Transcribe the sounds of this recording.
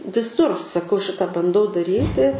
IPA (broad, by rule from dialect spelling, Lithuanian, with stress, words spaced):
ʋʲɪˈsʊr sɐˈkɐʊ ˈʃʲɪtɐ bɐnˈdɐʊ dɐˈrʲiːtʲɪ